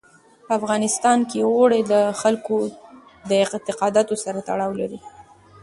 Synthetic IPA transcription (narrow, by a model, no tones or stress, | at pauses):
pəafɣɑnɪst̪ɑnkeoɽeləxalko | d̪əɪt̪ɪqɑd̪ɑt̪osaɾat̪aɽɑwlaɾi